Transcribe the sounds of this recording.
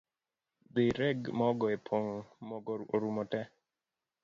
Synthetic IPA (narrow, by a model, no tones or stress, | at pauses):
beɾɛɡmɔɡɔepʰoŋmɔɡɔoɾumɔtɛ